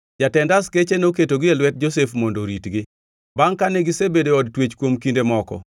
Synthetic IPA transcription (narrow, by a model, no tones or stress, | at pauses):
d͡ʒatɛndasket͡ʃenoketoɡɪelwɛt̚d͡ʒosefmɔndoɾitɡɪ | baŋkaneɡɪsebedeɔd̚twet͡ʃkwomkindemɔkɔ̰